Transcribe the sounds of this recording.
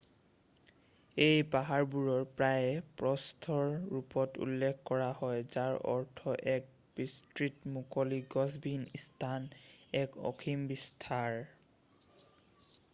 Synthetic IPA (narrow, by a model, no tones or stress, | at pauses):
ejpaɦaɹbuɹɔɹpɹajɛpɹɔstʰɔɹɹupɔtṵlːekʰkɔɹahɔjzaɹɔ̰ɹtʰɔʔɛk̚ | b̥istɹitmukɔliɡɔzbʱinistʰanɛkɔ̰kʰimbistʰaɹ